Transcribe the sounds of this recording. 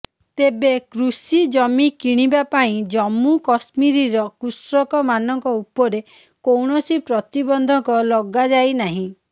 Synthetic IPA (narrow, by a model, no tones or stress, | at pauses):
t̪ebekɾusid͡ʒɔmikiɽ̃ibapaĩd͡ʒɔmukɔsmiɾiɾɔkusɾɔkɔmanɔŋkɔupɔɾe | kowɳɔsipɾɔt̪ibɔnd̪ʱɔŋkɔlɔɡad͡ʒajnaɦĩ